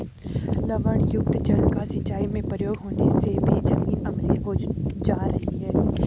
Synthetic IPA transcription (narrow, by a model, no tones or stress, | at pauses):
ləʋəɳ̃jʊk̚t̪d͡ʒɐɽkasɐt͡ʃaːimẽpɾəjoːɡɦoːnesebʱid͡ʒɐnɡiʔɐmleɦod͡ʒaːɾɐɦiɦɛː